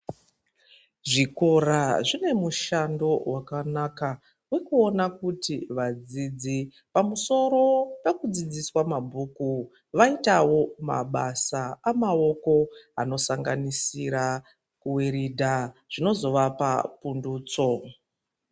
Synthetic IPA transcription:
ʐiko̞ɾaʐine̞muʃando̞wakanaka | we̞kuo̞nakutiʋad͡zid͡zi | pamuso̞ɾo̞pe̞kud͡zid͡ziswamabʱuːku | ʋaitawo̞ma̰ɓasaamao̞ko̞ano̞saŋɡanisiɾa | kuweɾidʱaʐ̥ino̞zo̞ʋapa̰punduːt͡so̞

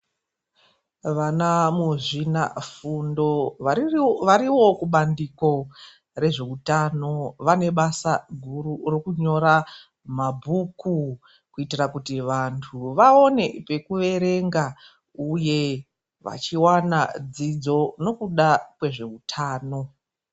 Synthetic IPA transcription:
ʋanamuʐina̰fundo̞ | ʋaɾiwo̞kuɓandiko̞ | re̞ʐe̞utano̞ʋane̞ɓasaɡʱururokuɲo̞ɾa | mabʱuku | kuitirakutiʋantʰuʋao̞ne̞pe̞kuʋe̞ɾe̞ŋɡa | uje̞ | ʋa̰t͡ʃiwanad͡zid͡zo̞no̞kuɗakwe̞ʐe̞utʰaːno̞

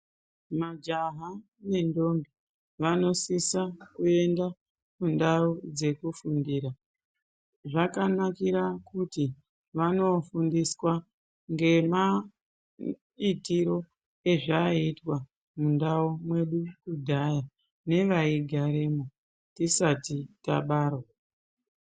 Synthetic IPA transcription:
mad͡ʒaɦa | ne̞ndo̞mbi | ʋano̞sisakue̞nda | mundaud͡ze̞kufundiːɾa | ʐakanakiɾakuti | ʋano̞fundiswa | ŋɡe̞ma | itiɾo̞ | e̞ʐaitwa | mundaumwe̞ɗukudʱaja | ne̞ʋaiɡʱaɾemo | tisatita̰ɓaːɾo

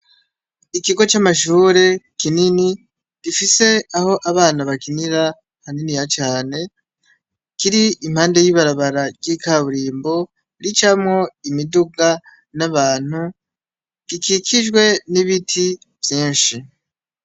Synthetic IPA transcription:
ikiɡo̞t͡ʃamaʃuːɾe̞kinini | ɡ̥ifise̞aho̞ʔaβaːnaβakiniɾa | haninijat͡ʃaːne̞ | kiɾiimhaːnde̞jiβaɾaβaɾaɡɟikaβuɾiːmbo̞ | ɾit͡ʃamŋo̞imiduɡa | naβaːn̥hu | ɡ̥ikikʰid͡ʒɡwe̞niβitʰi | vjiːnʃi

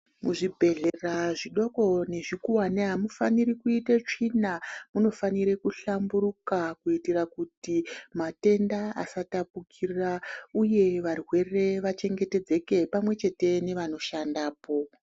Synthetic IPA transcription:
muʐibʱe̞ɮe̞raʐiɗo̞ko̞ne̞ʐikuwaneɦamufaniɾikuitet͡ʂinamuno̞faniɾekuɬambuɾukakuitirakutimate̞ndaa̰satapukʰirauje̞ʋarwe̞re̞ʋat͡ʃe̞ŋɡe̞te̞d͡ze̞ke̞pamwe̞t͡ʃe̞te̞ne̞ʋano̞ʃandaːpo̞

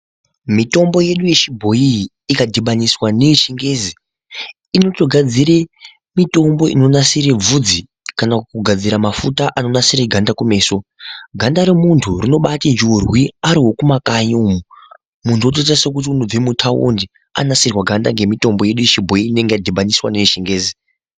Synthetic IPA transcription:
mito̞mbo̞je̞ɗuje̞t͡ʃibʱo̞iː | kadʱiɓaniswanet͡ʃiŋɡe̞zi | ino̞toɡʱad͡ziɾe | mito̞mbo̞ḭno̞nasiɾeb͡vud͡zi | kanakukuɡʱad͡ziɾamafutaʔano̞nasireɡʱandakume̞ːso̞ɡʱandaɾemuntʰurino̞ɓatind͡ʒurwiaɾiɦo̞kumakaɲomu | muntʰuot̬oitasek̬ut̬iunub͡vemutʰaṵndi | a̰nasirwaɡʱandaŋɡe̞mito̞mbo̞je̞ɗujeʃibʱo̞iːne̞ŋɡejadʱiɓaniswaneiʃiŋɡe̞ːzi

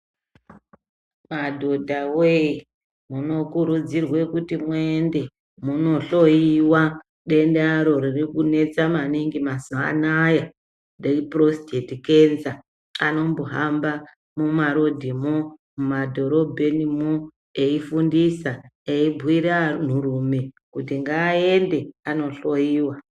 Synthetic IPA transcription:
madʱo̞dʱawei | muno̞kuɾud͡zirwe̞kutimwende̞ | muno̞ɬo̞iwa | ɗe̞ndeaɾo̞ɾirikune̞t͡samaniŋɡimasoa̰naja | reipro̞stetike̞nza | ano̞mboɦamba | mumaɾo̞dʱimomumadʱo̞ɾo̞bʱe̞nimo | eifundisaeibʱwiɾan̤urume | kutiŋɡaːe̞nde̞ano̞ɬo̞jiːwa

